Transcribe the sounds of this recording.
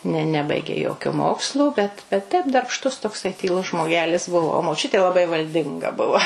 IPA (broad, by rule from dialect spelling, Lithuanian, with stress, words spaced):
nʲɛ ˈnʲæːbɐɪɡʲeː ˈjoːkʲoː ˈmoːkslˠoː ˈbʲɛt bʲɛt ˈtʲɛp dɐrpˈʃtʊs toːkˈsɐɪ tʲiːˈlˠʊs ʒmoːˈɡʲæːlʲɪs ˈbʊʋoː oː moːˈt͡ʃʲʊtʲeː lˠɐˈbɐɪ ʋɐlʲˈdʲɪŋɡɐ ˈbʊʋɐ